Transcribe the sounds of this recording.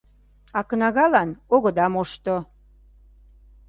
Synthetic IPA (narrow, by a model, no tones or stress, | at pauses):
ɑknɑɣɑlɑnoɣə̆d̪ɑmoʃt̪o